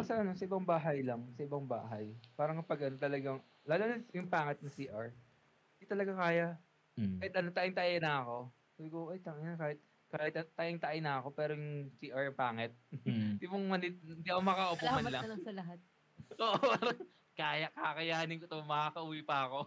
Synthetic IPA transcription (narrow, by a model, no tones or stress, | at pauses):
ɐsɐʔɐno̞sɐʔɪbaŋbaːɦɐjlɐŋsɐʔɪbɐŋba̰ːɦɐjpaːɾɐŋkɐpɐɡʔɐnot̪ɐlɐɡaŋ | laːlonɐjʊŋpaːŋɛt̪̚nɐsiːʔɐɹ | d̪it̪ɐlɐɡakaːjaʔ | kaːhɪt̪̚ʔɐnot̪aʔɪŋt̪ɐʔɪnɐɐko̞ | saːbɪkoʔojt̪aŋɐnɐkaːhɪt̪̚ | kaːhɪt̪̚ɐt̪aʔɪŋt̪ɐʔɪnɐɐko̞pɛːɾojʊŋsiːʔaɹɐŋpaːŋɛt̪̚d̪imoŋmɐnɪt̪̚nd̪iʔɐkomɐkaʔopoɐnlɐŋlɐŋsɐlɐɦat̪̚ | ʔoːʔpaːɾɐŋ | kaːjɐkakɐjaːnɪnŋkot̪ɐmɐkaːkɐʔuːwipɐɐko